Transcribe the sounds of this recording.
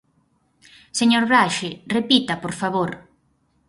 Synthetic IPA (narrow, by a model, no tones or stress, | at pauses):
seɲoɾβɾaʃɪrepit̪apoɾfaβoɾ